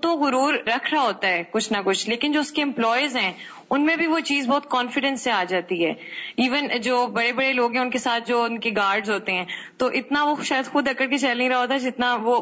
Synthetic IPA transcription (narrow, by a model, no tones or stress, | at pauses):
t̪oɣʊɾuːɾːɐkʰɾaɦoːt̪aɦɛːkʊt͡ʃʰnakʊt͡ʃʰleːkɪnd͡ʒoːʊskeɛ̃mplɔːjəzɦɛ̃ː | ʊnmẽbʱiʋot͡ʃiːzbɔːt̪̚kɔːnfɪɖɛ̃nsːeaːd͡ʒaːt̪iɦɛ̰ːiːʋənd͡ʒoːbɐɽebɐɽeloːɡɦɛ̃ʊnkesaːt̪̚ʰd͡ʒoːʊnkeɡaːɾɖzɦoːt̪eɦɛ̃ːt̪oʔɪt̪naʋoʃaːjəd̪xʊd̪ɐkːəɾket͡ʃɐlĩɾɐɦaɦoːt̪aɛd͡ʒɪt̪naʋo